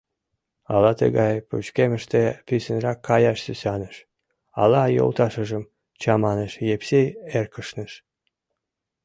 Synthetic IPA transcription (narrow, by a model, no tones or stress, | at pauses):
ɑ̰lɑt̪ə̰ɣɑjpṵt͡ɕkemə̆ʃt̪efysʲənrɑkʰːɑjɑʃsysɑnəʃ | ɑ̰lɑjo̰lˠt̪ɑʃə̆ʒəm | t͡ɕɑmɑnəʃjepseerkəʃnəʃ